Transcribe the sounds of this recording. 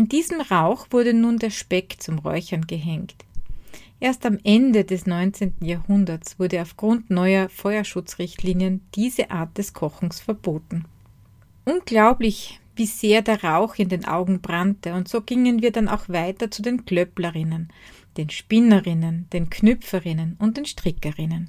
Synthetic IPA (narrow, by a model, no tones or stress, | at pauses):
ʔɪndiːzm̩ʁaʊxv̥ʊɐdənuːndeːɐʃpɛkt͡sʊmʁɔ̰ʏçɐnɡəɦɛŋkt | ʔeːɐstamʔɛndədɛsnɔʏnt͡seːntn̩jaːɐhʊndɐt͡sv̥ʊɐdəaʊfɡ̥ʁʊntnɔʏɐfɔʏɐʃʊt͡sʁɪçtʰliːnjənd̥iːzəʔa̰ːɐt̚d̥ɛskʰɔxŋ̩sfɛɐb̥oːtn̩ | ʔʊnɡ̥laʊplɪçviːz̥eːɐdeːɐʁaʊxɪndeːnʔa̰ʊɡŋ̩bʁantəʊntz̥oːɡ̥ɪŋənviːɐdana̰ʊxv̥aɪtɐt͡sudeːnklœplɐʁɪnənd̥eːnʃpɪnɐʁɪnənd̥eːnkʰnœp͡fəʁɪnənʊnt̚d̥eːnʃtʁ̥ɪkəʁɪnən